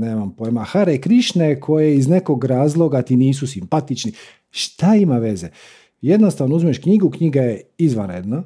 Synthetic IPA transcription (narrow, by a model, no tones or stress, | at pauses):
neːmampojmaxaɾekɾiʃnekʰo̞jeizne̞koɡɾaːzlˠo̞ɡat̪iniːsusimpat̪it͡ʃni | ʃt̪aimaʋe̞ze | je̞d̪nost̪aʋnouzmieʃkɲiɡukɲiɡajeizʋanɾed̪na